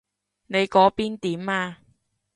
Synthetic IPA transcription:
ne˨˧jkɔː˨˥piː˥nt̪iː˨˥maː˧

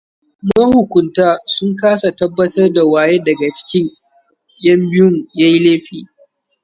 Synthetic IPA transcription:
mɐ˦hʊ˨kʷʊ˨ntaː˦sʊ˦ŋkaː˦sa˨tɐ˦bːɐ˦tɐ˦rda˨waː˦˨jeː˦dɐ˨ɡa˨t͡ʃɪ̥˦kʲɪ˦ɲ | jɐ˦mbɪ˦jʊ˦ŋja˦jleː˦ɸiː˨

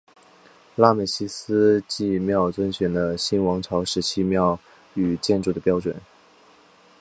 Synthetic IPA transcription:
la˥˩mə˨˩ɕi˥sɹ̩˥t͡ɕi˥˧mjɑ˥˩ʊt͡swə˥nɕɥɛ˨˩nd̪ə˦ɕi˥nwɑ˧˥ŋʈ͡ʂʰɑ˧˥ʊʂɻ̩˧˥t͡ɕʰi˥˧mjɑ˥˩ʊ | y˨˩t͡ɕjɛ˥˧nʈ͡ʂu˥˩d̪ə˩pjɑ˥ʊʈ͡ʂwə̰˨˩˦n

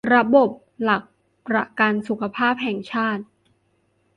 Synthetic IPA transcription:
ɾa˧bo˨˩p̚ | la˨˩k̚ | pɾa˧˩ka˧nsu˨˩kʰa˧pʰaː˥˩p̚ɦɛ˨˩˦ŋt͡ɕʰaː˥˩t̪̚

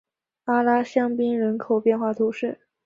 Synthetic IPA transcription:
a˥la˥ɕjɑ˥ŋpi˥ŋɻə˧˥nkʰo˨˩ʊpjɛ˥˧nxwa˥˩t̪ʰu˧˥ʂɻ̩˥˩

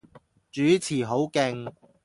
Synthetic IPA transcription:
t͡ʃyː˨˥t͡sʰiː˨˩ɦo˨˥wkɪ˧ŋ

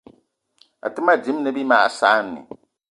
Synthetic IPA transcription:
a̰˨tɨ˦ma˦di˨˦m˦nɨ˦bi˦maː˦ʔsaː˨˦nːḭ˨

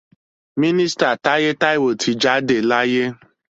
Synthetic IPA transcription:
mi˦ni˦sta˨ta˦ɣe˦ta˦ɪ˦wo˨tʰi˨d͡ʒa˦de˨la˦je˦

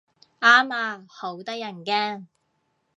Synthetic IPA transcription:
aː˥maː˧ho˨˥wt̪ɐ˥k̚jɐ˨˩nkɛː˥

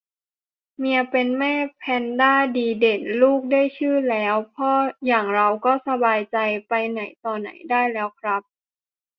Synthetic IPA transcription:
mi˧ɐpe˧nmɛː˥˩pʰɛː˧ndaː˥˩diː˧de˨˩nluː˥˩k̚daː˥˩jt͡ɕʰɯː˥˩lɛː˦˥wpʰɔː˧˥jaː˨˩ŋɾa˧wkɔː˥˩sa˧baː˧jt͡ɕa˧jpa˧jna̰˩˦jt̪ɔː˧na̰˨˩˦jdaː˥˩jlɛː˦˥wkʰɾa˦˥p̚

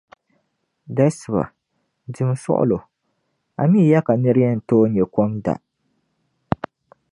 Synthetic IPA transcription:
da˦sɨ˨ba̰˨ | dɨ˨m˨sʊ̰˦ʔʊ̰˦lo˨ | a̰˨mi˦˨ja˦ka˨nɨ˦ɾɨ˦jɛ˦n̩˨toː˦ɲɛ˨kɔ˦ŋda̰˨

